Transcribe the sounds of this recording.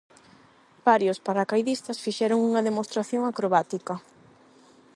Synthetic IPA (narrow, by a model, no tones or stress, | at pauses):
b̥aɾjospaɾakajðist̪ɐsfiʃɛɾʊŋuŋɐðemost̪ɾaθjoŋakɾoβat̪ikɐ